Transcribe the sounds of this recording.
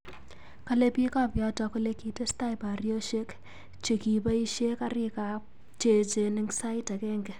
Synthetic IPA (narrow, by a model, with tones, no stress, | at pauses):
ka˦le˦pi˦ka˦pjɔ˦tɔ˧ko˦le˦ki˨tɪ˦sta˦jba˨rjo˦ʃe˦k | t͡ʃe˨ki˨ba˦i˦ʃe˦ka˦ɾɪ˦ka˨ | t͡ʃe˨t͡ʃe˨nɪ˦ŋsa˦ɪta˨kɛː˦ŋɡɛ˨